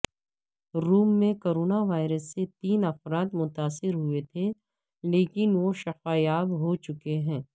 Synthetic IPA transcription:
ɾuːmːẽkoːɾoːnaʋaːɪɾəsːet̪iːnɐfɾaːt̪mʊt̪aːsɪɾɦʊet̪ʰe | leːkɪnʋoʃɐfaːjaːbɦot͡ʃʊkeɦɛ̃ː

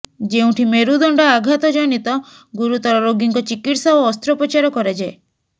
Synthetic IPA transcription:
d͡ʒeũʈʰimeɾud̪ɔɳɖɔaɡʱat̪ɔd͡ʒɔnit̪ɔ | ɡuɾut̪ɔɾɔɾoɡiŋkɔt͡ʃikiʈsaɔːst̪ɾɔpɔt͡ʃaɾɔkɔɾed͡ʒae

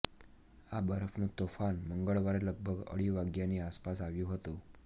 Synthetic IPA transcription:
abəɾəfnut̪ofanməŋɡəɭʋaɾeləɡ̚bʱəɡə̰ɽiːʋaɡjaniːaspasaʋjuɦot̪u

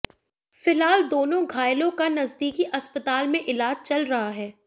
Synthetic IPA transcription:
fɪlɦaːld̪oːnõɡʱaːɪlõkanɐzd̪iːkiʔɐspət̪aːlmẽʔɪlaːd͡ʒt͡ʃɐlɾɐɦaɦɛː

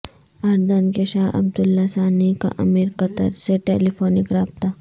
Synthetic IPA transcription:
aːɾd̪ankeʃaːɐ̰bd̪ʊlːasaːnika̰ʔɐ̰miːɾkɐt̪ə̰ɾseʈeːlifʰoːnɪkɾaːb̚t̪aː

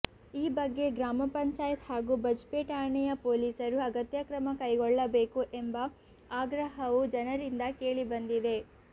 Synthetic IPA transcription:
iːbɐɡːe̞ɡɾaːmɐpɐɲt͡ʃaːjɐt̪haːɡuːbɐd͡ʒpeːʈaːɾɳɛjɐpoːliːsɐɾuɐɡɐt̪jɐkɾɐmɐkɐjɡɔɭːɐbe̞ːkuʔembɐ | aːɡɾɐɦɐʋud͡ʒɐnɐɾind̪ɐke̞ːɭibɐnd̪id̪e̞

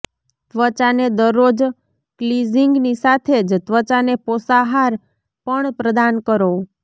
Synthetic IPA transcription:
t̪ʋət͡ʃaned̪əɾːod͡ʒ | kliziŋɡnisat̪ʰed͡ʒt̪ʋət͡ʃaneposaɦaɾ | pəɳpɾəd̪ankəɾo

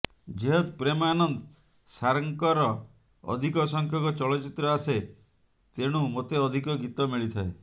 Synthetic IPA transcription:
d͡ʒeɦɔt̪pɾemaːnɔnd̪ | saɾɔŋkɔɾɔ | ɔ̰d̪ʱikɔsɔŋkʰjɔŋkɔt͡ʃɔɭɔt͡ʃit̪ɾɔase | t̪eɽ̃umot̪eɔd̪ʱikɔɡit̪ɔmiɭit̪ʰae

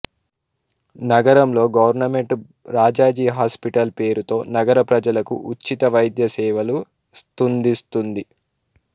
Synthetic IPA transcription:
nɐɡɐɾɐmlo̞ːɡɐʋɐɾnɐme̞ɳʈ | ɾaːd͡ʒaːd͡ʒiːɦaːspiʈɐlpe̞ːɾut̪o̞ːnɐɡɐɾɐpɾɐd͡ʒɐlɐkṵʔut͡ʃːit̪ɐʋɐjd̪jɐsɛːʋɐlu | st̪und̪ist̪und̪i

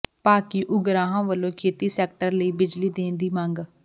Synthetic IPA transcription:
paːkiːʔʊɡɾaːɦãːʋəlõːkʰeːt̪iːsɛːk̚ʈəɾləiːbɪd͡ʒliːd̪ẽːnd̪iːmaŋɡ

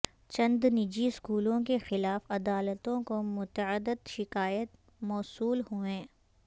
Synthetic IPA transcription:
t͡ʃɐ̃nd̪nɪd͡ʒiskuːlõkexɪlaːfɐd̪aːlət̪õkomʊt̪əəd̪ɪd̪ʃɪkaːjət̪ | mɔːsuːlhuẽː

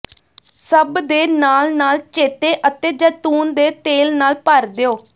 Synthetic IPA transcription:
səbd̪eːnaːlnaːlt͡ʃeːt̪eːʔət̪eːd͡ʒət̪uːnd̪eːt̪eːlnaːlpəɾd̪eːoː

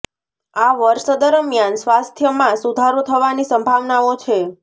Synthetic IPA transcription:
aʋəɾʃd̪əɾmjansʋast̪ʰjəmãsud̪ʱaɾot̪ʰəʋanisəmbʱaʋnaot͡ʃʰe

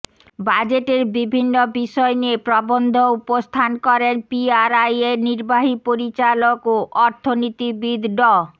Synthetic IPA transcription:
bad͡ʑeʈeɾbibʱinːobiʃɔeniepɾɔbond̪ʱoupost̪ʰankɔɾenpiaɾajeniɾbaɦipoɾit͡ɕalokoʔɔɾt̪ʰonit̪ibid̪ʱɖɔ

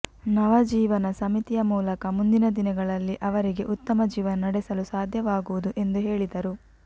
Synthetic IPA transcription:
nɐʋɐd͡ʒiːʋɐnɐsɐmit̪ijɐmuːlɐkɐmund̪inɐd̪inɐɡɐɭɐlːiʔɐʋɐɾiɡe̞ʔut̪ːɐmɐd͡ʒiːʋɐnɐnɐɽɛsɐlusaːd̪ʱjɐʋaːɡuʋud̪uʔe̞nd̪uɦe̞ːɭid̪ɐɾu

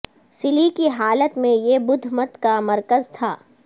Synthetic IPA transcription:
sɪlikiɦaːlət̪mẽjebʊd̪ʱmɐt̪kamɐɾkəzt̪ʰaː

